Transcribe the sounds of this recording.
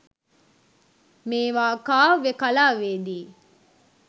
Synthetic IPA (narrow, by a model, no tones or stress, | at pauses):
meːʋaːkaːʋekalaːʋeːd̪iː